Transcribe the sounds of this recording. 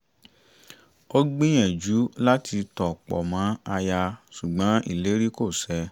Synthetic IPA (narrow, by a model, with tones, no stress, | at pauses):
o˦ɡ͡bĩ˦j̃ɛ̃˨d͡ʒu˨˦la˦ti˧tɔ˨k͡pɔ̰˨mã˨˦a˧ja˧su˨ɡ͡bã˨˦ḭ˦˨le˨˦ɾi˦ko˦˨sɛ˧˦